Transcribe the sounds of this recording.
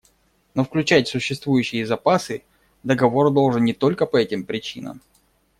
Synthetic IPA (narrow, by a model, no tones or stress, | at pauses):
nofklʲʉt͡ɕætʲsʊɕːɪst̪vujʉɕːɪjəzɐpasɨ | d̪əɡɐvo̞rd̪o̞lˠʐɨnnʲɪt̪o̞lʲkəpɐɛtʲɪmpɾʲɪt͡ɕinə̰m